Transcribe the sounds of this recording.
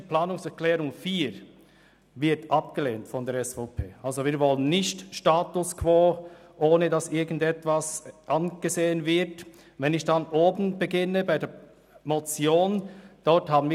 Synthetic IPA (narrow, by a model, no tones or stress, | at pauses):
əplaːnʊŋsɛʁklɛːʁʊŋfiːɾ | vɪɐtʔɑpɡ̥əleːntfɔndɛːɐɾɛsfoːpʰeːʔɑlzoviːɐvɔlənːɪçtʃtaːtʊskʰv̥oːʔoːnədɑsʔɪɐɡn̩dɛtv̥asʔɑnɡ̥əzeːənvɪɐt | vɛnɪçd̥ɑnʔoːbn̩bəɡɪnəbaɪdɛ | mot͡sjoːnd̥ɔɾthaːbn̩viː